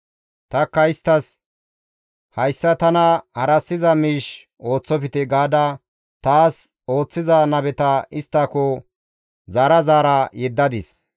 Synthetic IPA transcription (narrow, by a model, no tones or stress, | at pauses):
t̪ɐkːɐɪst̪ːɐs | hɐjsːɐt̪ɐnɐhɐɾɐsːɪzɐmiːʃ | o̞ːt͡sːɔpɪt̪ɛɡaːd̪ɐ | t̪aːs | o̞ːt͡sːɪzɐnɐbɛt̪ɐɪst̪ːɐkɔ | zaːɾɐzaːɾɐjɛd̪ːɐd̪ɪs